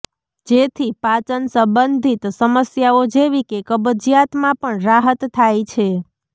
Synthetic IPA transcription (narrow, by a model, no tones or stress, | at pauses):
d͡ʒet̪ʰipat͡ʃənsə̃mbənd̪ʱit̪səməsjaod͡ʒeʋikekəbəd͡ʒjat̪mãpəɳɾaɦət̪ʰːajt͡ʃʰe